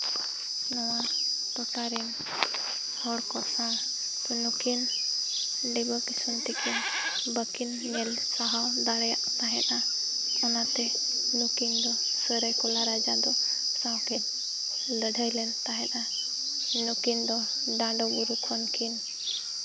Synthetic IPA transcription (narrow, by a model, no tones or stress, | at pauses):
nɔwat̪ɔʈaɾɛn | hɔɽkɔsã | t̪unukin | lɛbɔkisunt̪ɛkʰin | bəkin | mɛl | saɦawd̪aɽɛja̰ʔt̪aɦɛ̃t̪a | ɔnat̪ɛ | nukind̪ɔ | səɾəjkɔlaɾad͡ʒad̪ɔ | sawkɛ | ləɖʱəjlɛnt̪aɦɛ̃t̪a | nukind̪ɔ | ɖaɳɖɔɡuɾukʰɔnkʰin